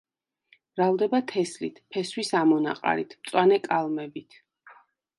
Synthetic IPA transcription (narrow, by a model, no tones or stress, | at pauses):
b̥ɾavd̪ɛbat̪ʰɛslit̪ʰpʰɛswisamɔna̰qʼa̰ɾḭt̪ʰmt̪sʼwanɛkʼalˠmɛbit̪ʰ